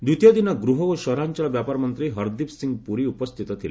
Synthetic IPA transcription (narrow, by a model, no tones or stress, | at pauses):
d̪ut̪ijɔd̪inɔɡɾuɦɔkuʃɔɾant͡ʃɔlɔbjapaɾɔmɔnt̪ɾiɦɔɾd̪ipsiŋɡpuɾiupɔst̪ʰit̪ɔt̪ʰilḛ